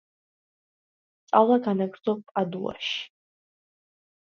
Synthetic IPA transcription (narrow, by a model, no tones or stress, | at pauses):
t̪sʼalˠaɡanaɡɾd̪zɔp̚pʼad̪ula̰ʃi̥